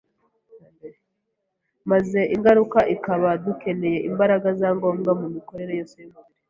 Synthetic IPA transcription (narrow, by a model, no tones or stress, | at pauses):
maze̞ʔiŋɡaɾukaʔikaβaduke̞ne̞je̞ʔimbaɾaɡazaːŋɡo̞ːmɡamumiko̞ɾe̞ɾe̞josemuɾi